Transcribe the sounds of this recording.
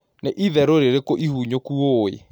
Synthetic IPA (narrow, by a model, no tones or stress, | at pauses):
neʔiðɛɾoɾeɾekoʔihuɲokuoḛ